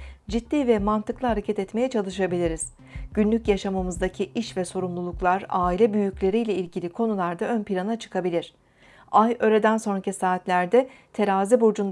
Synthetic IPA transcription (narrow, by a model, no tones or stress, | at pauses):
d͡ʒit̪ːiːvɛmant̪ɯklˠɯɦaɾe̞cʰɛt̪ɛt̪me̞jɛt͡ʃʰalˠɯʃ̬abilʲiɾiz̥ | ɟ̥ynlʲycjaʃamamɯzd̪acʰiʔiʃvɛso̞ɾumlˠulˠuklˠaɾaːilʲɛbyjyclʲe̞ɾijlʲɛilʲɟilʲikʰo̞nulˠaɾd̪aønpiɾanat͡ʃʰɯ̥kʰabilʲiɾ̥ | ajø̞ɾed̪ænso̞nɾacisaːt̪lʲæɾd̪ɛt̪ʰe̞ɾaːzibod͡ʒun